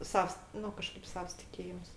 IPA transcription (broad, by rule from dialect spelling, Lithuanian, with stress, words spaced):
ˈsɐws ˈnʊ kɐˈʃkɐɪp ˈsɑːʋɐs tʲɪˈkʲeːjɪms